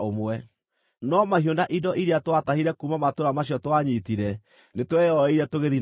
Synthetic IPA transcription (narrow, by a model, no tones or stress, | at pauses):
omwɛ | nɔmahiondaʔidɔʔiɾeatwatahiɾɛkumamatoɾamaɕiɔtwaɲitiɾɛ | netwɛjɔɔiɾɛtoɣeði